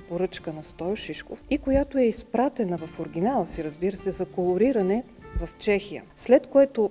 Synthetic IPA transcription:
poɾɤt͡ʃkənɐst̪ɔjoʃiʃko̰fikojat̪oɛispɾat̪ɛnɐvɐfoɾɡ̟ʲinalˠəsiɾɐzbiɾəsɛzɐkolˠoɾiɾɐnɛ | vɐft͡ʃɛxijə̰slɛt̪koɛt̪o

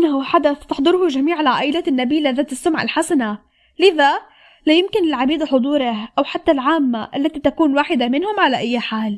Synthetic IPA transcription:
ʔnːhuħad̪aθt̪ɑħd̪ˤɨɾhuʒamiːʕɪlʕaːʔɪlaːt̪ɪnːabiːlaðaːt̪ɪsːʊmʕa̰lħasana | lɪða | lajɪmkɪnɪlʕabiːd̪aħʊd̪ˤuːɾɑhʔawħat̪ːalʕaːmːaʔalːat̪it̪akuːnwaːħɪd̪amɪnhʊmʕalaʔajːħaːl

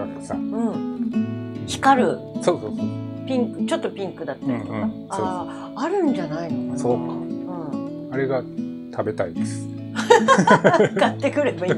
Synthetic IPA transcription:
at̪ːḁsa̰ɯ̟̃ɴ | çʲi̥kaɾɯ̟ | soːsoːsopʲĩŋkɯ̟t͡ɕo̞t̪ːo̞pʲĩŋkɯ̟d̪at̪ːaɾit̪ːa | sao | aɾɯ̟̃ɲ̟d͡ʑanainokasoːkaɯ̟̃ɴ | aɾe̞ɡa | t̪ʰabe̞t̪aid̪esɨ̥ | kat̪ːe̞kɯ̟ɾebai

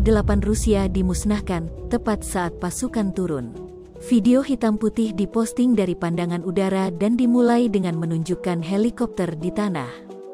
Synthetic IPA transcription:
dəlapanrusiadimusnahkant̪əpat̪̚saʔːt̪̚pasukant̪uɾʊn | fideoɦit̪amput̪ɪhdipɔst̪ɪŋdaɾipandaŋanudaɾadandimulajdəŋanmənuɲd͡ʒukanɦelikɔp̚t̪ərdit̪ana̰h

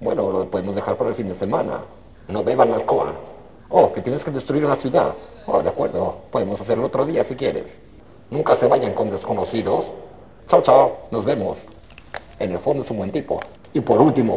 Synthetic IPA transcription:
bwḛnoloðpo̞ðemo̞zðe̞xaɾpaɾaelfind̪ese̞mãna̰ | noβe̞βanaðkoa̰ | oket̪jeneske̞ðest̪ɾuiɾunasjuða̰ð | o̰ðeakwe̞ɾðopo̞ðemo̞sas̬eɾeloot̪ɾoðiasikjḛɾe̞̰s | nũŋkase̞βaʝaŋko̞nd̪esko̞nosiðos | t͡ʃawt͡ʃawno̞zβe̞mo̞̰s | ḛnelfond̪oesumbwe̞nt̪ipo̞̰ | ipo̞ɾult̪imo

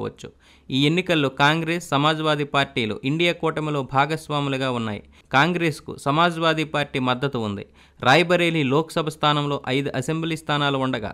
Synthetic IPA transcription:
ʋɐ̰t͡ʃːu̥ | iːenːikɐlːoːkaːŋɡɾeːsːɐmaːd͡ʒɐʋaːd̪ʱipaːɾʈiːlṵːʔiɳɖijaːkɔːʈɐmilo̞ːbʱaːɡɐsʋaːmulɐɡaːunːa̰ːjḭ | kaːŋɡɾeːskṵsɐmaːd͡ʒɐʋaːd̪ipaːɾʈiːmɐd̪ːɐt̪uund̪ḭ | ɾaːjɐbɐɾe̞ːlilɔːkɐ̥sɐbʱɐst̪ʰaːnɐmlo̞ːʔɐjd̪uʔɐsembliːst̪ʰaːnaːluuɳɖɐɡa̰ː

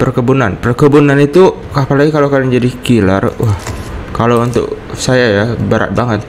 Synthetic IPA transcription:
pərkəbunanpərkəbunanit̪u | kapalaɡikalokadaŋd͡ʒadikila̰rwahkalowunt̪ʊ̰k̚ | sajajabəɾa̰t̪̚baŋət̪̚

